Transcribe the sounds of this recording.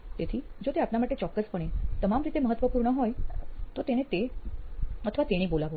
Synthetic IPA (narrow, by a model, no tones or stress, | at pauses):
t̪et̪ʰid͡ʒot̪eapnamaʈet͡ʃɔkːəspəɳet̪əmamɾit̪eməɦət̪ːʋəpuɾɳəɦɔjt̪ot̪enet̪e | ət̪ʰəʋat̪eɽ̃ibolaʋo